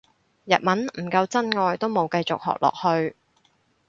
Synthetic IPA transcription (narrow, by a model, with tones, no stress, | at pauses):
jɐ̰˨t̚mɐ˨˥nm̩˨˩kɐ˧wt͡sɐ˥nŋɔː˧jt̪o˥wmo˨˧wkɐ˧jt͡sʊ˨k̚hɔ̰ː˨k̚lʔɔ̰ː˨k̚hɵ˧ɥ